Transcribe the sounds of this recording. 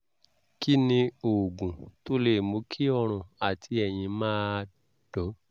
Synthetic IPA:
ki˦nĩ˧o˨ɡũ˨to˨˦le˦˨mo˧˦kʰi˦ɔ˧ɾ̃ũ˧˨a˨tʰi˧ɛ˨j̃ĩ˧mãː˦ | d̥ɔ˨˦

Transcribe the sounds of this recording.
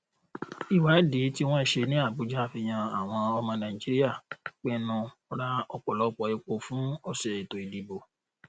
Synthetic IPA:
i˨wa˨˦di˨˦ti˦w̃ɔ̃˦i˦˨ʃe˧nĩ˦a˦˨bu˨˦d͡ʒa˦˨fi˧j̃ã˧a˨w̃ɔ̃˧ɔ˧mɔ̃˧nã˨i˨d͡ʒi˦ɾi˦a˦˨k͡pɛ˦nũ˧ | ɾa˦ɔ˧k͡pɔ˨lɔ˨˦k͡pɔ˨˧e˧k͡po˧fũ˦ɔ˧sɛ˨i˨to˨i˨di˨bo˧

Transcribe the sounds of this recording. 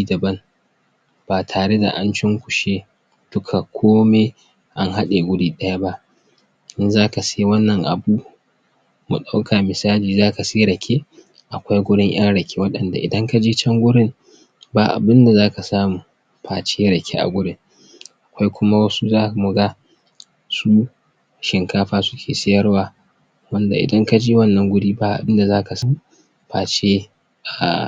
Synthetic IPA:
iː˦dɐ˨bɐ˦n | b̥aː˨tʰaː˨ɽe˦da̰˨ʔa˦nt͡ʃɪ˦ŋkʷʊ̥˨ʃeː˦ | d̥ʊ˦kʰa˨kʷʰoː˦me˦ | ʔa˦nɦa˦ɗe˨ɡʷʊ˦ɽiː˨ɗɐ˦ja˦ba˦ʔ | ʔɪ˦nzaː˦ka˨si˦wɐ˦nːɐ˨ŋʔa̰˨buː˦ | mu˨ɗa˦wkʰa˨mɪ˨saː˦liː˨zaː˦ka˨si˦ɽɐ˨kʲʰe˦ | ʔa˨kʷa˦jɡʷʊ˦ɽɪ˦ŋj̰ɐ˦ŋɽɐ˨kʲe˦wɐ˦ɗɐ˨nda˨ʔɪ̰˨dɐ˦ŋka˦d͡ʒiː˦t͡ʃɐ˦ŋɡʷʊ˦ɽɪ˦m | baː˨ʔa̰˨bɪ˦nda˨zaː˦ka˨saː˦muː˨ | ɸaː˨t͡ʃeː˦ɽɐ˨kʲʰḛ˦ʔa̰˨ɡʷʊ˦ɽɪ˦ŋ | ʔa˨kʷa˦jkʷʊ˦ma˦wɐ˦su˦zaː˦˨mu˨ɡa˦ | suː˦ | ʃɪ˨ŋkaː˦ɸaː˦sʊ̥˦kʲʰeː˨sa˦jɐ˦rwaː˦˨ | wɐ˦nda˨ʔɪ̰˨dɐ˦ŋka˦d͡ʒeː˦wɐ˦nːɐ˦ŋɡʷʊ˦ɽiː˦baː˨ʔa̰˨bɪ˦nda˨zaː˦ka˨sa˦mu˨ | ɸaː˨t͡ʃeː˦ | ʔa˨

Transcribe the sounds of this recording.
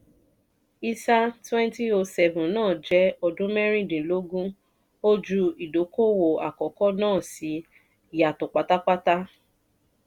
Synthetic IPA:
i˧sa˦twɛ̃˦nti˦o˧sɛ˧vũ˨nãː˦˨d͡ʒɛ˦ɔ˧dũ˦mɛ˦ɾ̃ĩ˦˨dĩ˨lo˨˦ɡũ˦ | o˦d͡ʒu˧i˨do˨˦ko˦wo˨a̰˨kɔ˨kɔ˦nãː˦˨si˨˧˦ | i˨ja˨tõ˨k͡pa˨ta˦k͡pa˦ta˦

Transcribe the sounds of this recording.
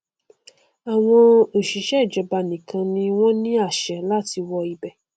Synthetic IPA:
a˨w̃ɔ̃˧o˨ʃi˨˦ʃɛ˦˨d͡ʒɔ˧ba˧nĩ˨kʰã˧nĩ˧w̃ɔ̃˦nĩ˦a˦˨ʃɛ˨la˦˨ti˧wɔ˧i˧bɛ˨˧˨

